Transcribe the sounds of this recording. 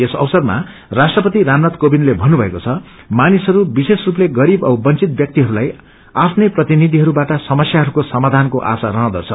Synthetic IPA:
esʌ̰wsʌrma̰ | rasʈrʌpʌt̪iɾamnʌt̪kobinlebʱʌnːubʱʌekot͡sʰʌ | manisɦʌɾubisesrupleɡʌɾibʌwbʌnt͡sit̪̚bjʌk̚t̪iɦʌɾulaj | apʰneprʌt̪inid̪ʱiɦʌɾubaʈʌsʌmʌsjaɦʌɾukosʌmad̪ʱankoʔa̰saɾʌɦʌ̃d̪ʌ̰t͡sʰʌ

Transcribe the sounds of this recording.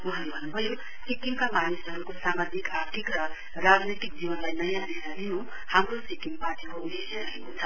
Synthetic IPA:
uɦʌɾebʱʌnːubʱʌjo | sikiŋkamanisʌɾukosamad͡zikaɾt̪ʰikrʌ | rad͡znit̪ik̚d͡ziwʌnlajnʌjãdisaniɦõ | hamrosikiŋpaʈikoudesjaɾʌɦekot͡sʰʌ

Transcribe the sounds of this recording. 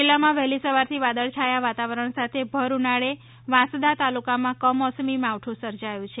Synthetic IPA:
ilːamãʋɛɦlisəʋaɾt̪ʰiʋad̪əɭt͡ʃʰajaʋat̪aʋəɾəɳ̃sat̪ʰebʱəɾunaɭe | ʋãsd̪at̪alukamãkəmɔsmimawʈʰũsəɾd͡ʒajũt͡ʃʰe

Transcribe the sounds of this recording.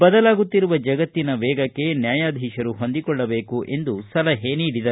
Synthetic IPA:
bɐd̪ɐlaːɡut̪ːiɾuʋɐd͡ʒɐɡɐt̪ːinɐʋɛːɡɐkkːe̞njaːjaːd̪ʱiːʃɐɾuɦo̞nd̪ikɔɭːɐbe̞ːkuʔe̞nd̪usɐlɐɦeniːɽid̪ɐ

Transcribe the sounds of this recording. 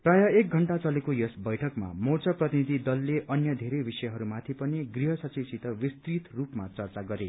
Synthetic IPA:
prajʌek̚ɡʱʌɳʈat͡sʌlekojʌsbʌjʈʰʌkma̰mort͡sʌprʌt̪inid̪ʱid̪ʌlːeʔʌnjʌd̪ʱeɾejbisʌjʌɦʌɾumat̪ʰipʌniɡriɦʌsʌt͡siwsit̪ʌwist̪rit̪rupmat͡sʌrt͡saɡʌɾe

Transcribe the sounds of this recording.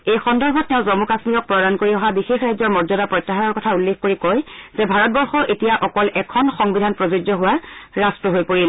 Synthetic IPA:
ejxɔndɔɹbʱɔttɛʊ̃zɔmukasmiɹɔk̚pɹɔdankoɹiɔɦabixexɹajzɔɹmɔzɔdapɹɔjtːaɦanɔɹkɔtʰaulːekʰkoɹikɔjzɛbʱaɹɔt̚bɔɹxɔʔetijaʔɔkɔlɛkʰɔnxɔŋbidʱanpɹɔzod͡ʒzɔɦuwaɹastɹɔɦojpoɹil

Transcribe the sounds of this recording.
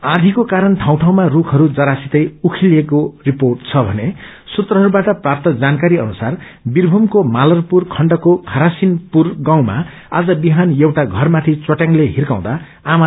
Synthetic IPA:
ad̪ʱikokaɾʌnʈʰaw̃ʈʰaw̃marukʰɦʌɾud͡zʌɾasit̪ʌjukʰilekoriporʈ̚t͡sʰʌbʱʌne | sut̪rʌɦʌɾubaʈʌprap̚t̪ʌd͡zankaɾiʌnusar | birbʱumkomalʌrpurkʰʌɳɖʌkokʰʌɾasinpurɡaw̃ma̰ | ad͡zʌbiɦanjewʈaɡʱʌrmat̪ʰit͡sʌʈjãŋleɦirkãw̃d̪a | ama

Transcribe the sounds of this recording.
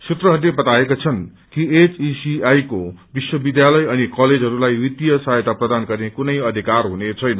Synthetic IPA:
sut̪rʌɦʌɾulebʌt̪aekot͡sʰʌn | kiet͡sisiajkobiswʌbid̪jalʌjʌnikʌled͡zʱɦʌɾulajwit̪ijʌsajt̪aprʌd̪anɡʌrnekunʌjʌd̪ʱikarɦunet͡sʰʌjnʌ

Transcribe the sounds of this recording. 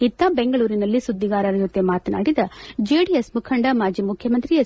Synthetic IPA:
it̪ːabeŋɡɐɭuːɾinɐlːisud̪ːiɡaːɾɐɾɐd͡ʒot̪ːemaːt̪ɐna̰ːɽid̪ɐd͡ʒeɽijesmukʰɐɳɖɐmaːd͡ʒimukʰjɐmɐnt̪ɾijɐ

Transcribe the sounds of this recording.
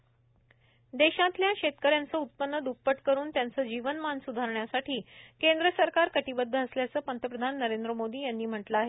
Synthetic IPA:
d̪eɕãt̪ljaɕet̪kəɾjãnt͡səːut̪̚pənːəd̪up̚pəʈkəɾuːnt̪jant͡səːd͡ʑiʋənmansud̪ʱaɾɳjasaʈʰiːkend̪ɾəsəɾkaɾkəʈibəd̪ʱːəːsljat͡səːpənt̪əpɾəd̪ʱanːəɾend̪ɾəmod̪iːjanːiːm̤əʈləaɦe

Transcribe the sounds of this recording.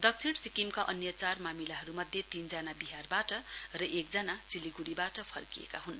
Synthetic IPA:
d̪ʌk̚t͡sʰiɽsikimkaʔʌnjʌt͡sarmamilaɦʌɾumʌd̪ʱjet̪ind͡zanabiɦarbaʈʌrʌʔekd͡zʌnat͡siliɡuɽibaʈʌpʰʌ̰rkijḛkaɦun

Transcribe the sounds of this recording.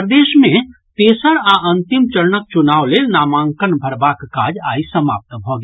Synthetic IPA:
ɾd̪eːʃmẽ | t̪eːsəɾaʔɐ̃nt̪ɪmt͡ʃəɾnək̚t͡ʃʊnaːʋlenaːmãːŋkənbʱəɾbaːkkaːd͡ʒaːisəma̰ːp̚t̪bʱoɡiː

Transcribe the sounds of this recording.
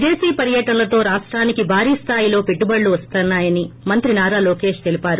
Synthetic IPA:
d͡ʒeːsiːpɐɾjɐʈɐnlɐt̪o̞ːɾaːʂʈɾaːnikibʱaːɾiːst̪ʰaːjilo̞ːpeʈːubɐɭːuʋɐst̪ɐnːaːjɐnimɐnt̪ɾinaːɾaːloːke̞ːʂt̪elipaːɾu

